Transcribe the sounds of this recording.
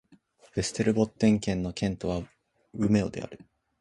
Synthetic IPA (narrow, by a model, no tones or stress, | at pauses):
b̥e̞sɨ̥t̪e̞ɾɯ̟bo̞t̪ːẽ̞ŋkẽ̞nːo̞kẽ̞nt̪o̞βa | ɯ̟me̞o̞̰d̪e̞̰a̰ɾɯ̟